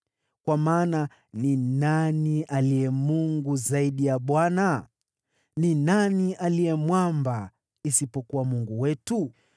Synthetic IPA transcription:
kwamaːna | ninaniʔalijɛmuŋɡuzaiɗijaɓwana | ninaniʔalijɛmwamba | isipɔkuwamuŋɡuwɛtu

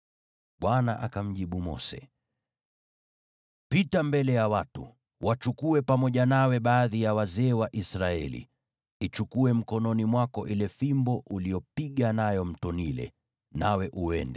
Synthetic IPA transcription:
ɓwanaʔakam̩ʄiɓumɔ̰sɛ̰ | pitambɛlɛjawatṵ | wat͡ʃukuɛpamɔʄanawɛɓaːðijawazɛːwaʔisɾaɛlḭ | it͡ʃukuɛm̩kɔnɔnimwakɔʔilɛfimbɔʔulijɔpiɠanajɔm̩tɔnilɛ̰ | nawɛʔuɛ̰ndɛ

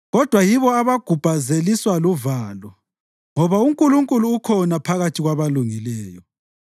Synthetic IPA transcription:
ɣɔd̥ʱwajiβɔaβaɡ̥ʱub̥ʱazeliswaluvaːlɔ | ŋɔβauŋkʼuluŋkʼuluːkʰɔnapʰaɣatʰiɣwaβaluŋilɛːjɔ

